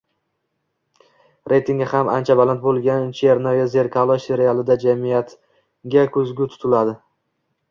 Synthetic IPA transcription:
ɾʔe̞jt̪ʰiŋɡʲahama̰nt͡ʃʰabalant̪̚bolˠɡʲant͡ʃʰeɾnɒjaze̞ɾkʰalˠɒse̞ɾɪalˠɪd̪ad͡ʒamijat̪ | ɡʲakʰɵzɡʲɪt̪ʰʊ̥t̪ʰɪlad̪ɪ

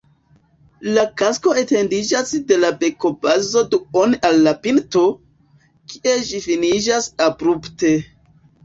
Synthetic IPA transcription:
lakasko̞ete̞ndid͡ʒasde̞labe̞ko̞bazo̞duonalːapinto̞ | kʰiʔe̞d͡ʒifinid͡ʒasabɾupte̞

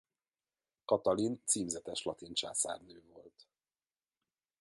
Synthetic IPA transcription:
kɒt̪ɒlint̪siːmzɛt̪ɛʃlɒt̪int͡ʃa̰ːsa̰ːrnøːvo̞lt̪

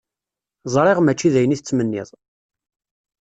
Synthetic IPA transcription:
zˤɾˤeʁmæt͡ʃːiðæjəniθət͡sːmənːɪ̰ðˤ

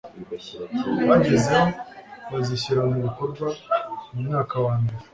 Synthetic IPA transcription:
βaɟezeoβaziɕiɾamuβiko̞ɾɡwamumŋaːkawaːɲde

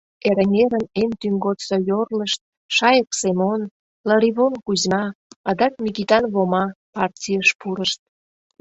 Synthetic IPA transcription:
eɾeŋʲeɾənemt̪yŋɡot̪sojorləʃt̪̚ | ʃɑjəksemon | lɑɾiβonkuzmɑɑd̪ɑk̚mʲikit̪ɑnβomɑpɑrtʲijəʃpuɾəʃt̪̚

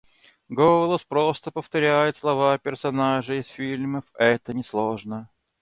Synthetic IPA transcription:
ɡolˠəspɾost̪əpəft̪ɐɾʲæjɪt̪slˠɐvapʲɪrsɐnaʐɨɪsfʲilʲməfɛt̪ənʲɪslˠoʐnə

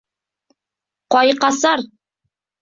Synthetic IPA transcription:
qɒjqɑsɑɾ

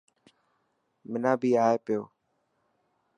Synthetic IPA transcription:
mɪnãːbʱiːaːeːpɪjoː

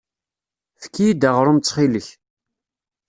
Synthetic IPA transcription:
θə̥kːijid̪æʁɾˤʊmt͡sːχiləç

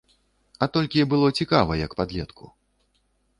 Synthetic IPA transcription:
ɐt̪ɔlʲkʲibɨlˠɔt͡sʲikavɐjɐkpad̪lʲɛt̪kʰu

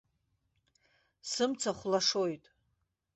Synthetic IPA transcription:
sɨmt͡sʰaχʷlaʂo̞jtʼ

